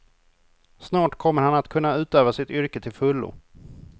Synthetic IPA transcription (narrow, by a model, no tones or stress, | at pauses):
snɑːʈkʰɔmːəɾhanat̪kʰɵnːaʉ̟ːt̪øːvasɪt̪ʏɾkət̪ʰɪlfɵlːʊ̰